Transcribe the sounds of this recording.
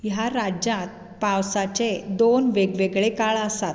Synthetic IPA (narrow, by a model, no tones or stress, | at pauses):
jaɾad͡ʑat̪̚ | pawsat͡ɕed̪onʋeɡʋeɡɭekaɭəsat̪̚